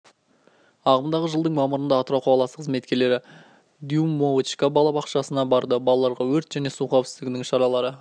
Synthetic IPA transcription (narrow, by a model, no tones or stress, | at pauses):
ɑʁəmd̪ɑʁəʒəlˠd̪əɴmɑməɾənd̪ɑːt̪ɾɑwqʰoɑlˠɑsəqʰəzme̞t̪̚kʲe̞le̞ɾɪ | d̪jumːowt͡ʃkabɑlˠɑbɑqʃɑsənɑbɑɾd̪əbɑlˠɑlˠːɑɾʁɑwɵɾt̪ʒ̥æne̞suqʰɑwpsɪzt̪ɪɡʲɪnɪŋʃɑɾɑlˠɑɾə